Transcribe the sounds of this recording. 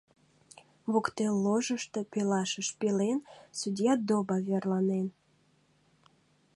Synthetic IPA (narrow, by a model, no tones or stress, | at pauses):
βukt̪elːoʒəʃt̪e̽pelɑʃəʃpelensud̪ʲjɑd̪obɑβerlɑnen